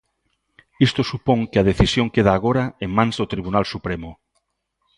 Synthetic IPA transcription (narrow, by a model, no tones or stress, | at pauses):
ist̪osupõŋkɪaðeθisjõŋkeð̞aːɣ̞oɾaeŋmãnzðot̪ɾiβ̞unalsupɾemʊ